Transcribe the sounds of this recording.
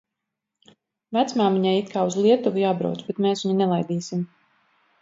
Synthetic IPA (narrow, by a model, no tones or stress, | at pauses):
væt̪smaːmiɲajit̪̚kʰaːuzlˠiɛt̪uvujaːbɾa̰wt̪sbɛt̪meːsiɲinɛlˠajd̪iːsim